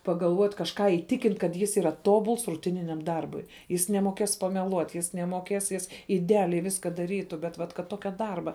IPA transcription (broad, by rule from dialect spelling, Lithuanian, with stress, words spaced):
pɐɡɐlˠˈʋuɔtʲ kɐʃˈkɑː iːˈtʲɪkʲɪnt kɐt ˈjɪs iːˈrɐ ˈtoːbʊlˠs rʊˈtʲɪnʲɪnʲɛm ˈdɐrbʊɪ ˈjɪs nʲɛmoːˈkʲeːs pɐmʲɛˈlˠuɔtʲ ˈjɪs nʲɛmoːˈkʲeːs ˈjɪs ɪdʲɛˈɑːlʲɛɪ ˈʋʲɪskɐ dɐˈrʲiːtʊ bʲɛt ˈʋɐt kɐt ˈtoːkʲɛ ˈdɐrbɐ